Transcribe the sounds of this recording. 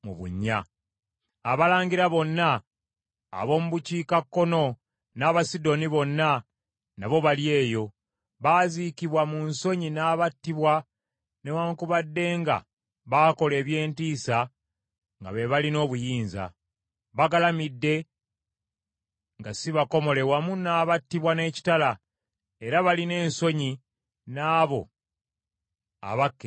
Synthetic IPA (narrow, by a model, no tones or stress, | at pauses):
mṵβṵɲːaː | βalaːɲɡiɾaβo̞nːa̰ː | βo̞ːmuβuciːkakːo̞no̞ | naːβasido̞niβo̞nːa | naβo̞βalje̞ːjo̞ | βaːzikiβwamunso̞ɲinaːβatːiβwa | newaːŋkuβadːe̞ːŋɡa̰ | βaːko̞le̞ːβje̞ːntiːsa | ŋɡa̰βe̞βalino̞ːβujiːnza̰ | βaɡalamidːe̞ | ŋɡasiβako̞mo̞le̞βwamunaːβatːiβwane̞ːci̥tala | e̞ɾaβaline̞ːnso̞ɲi | naːβo̞̰ | a̰βakːe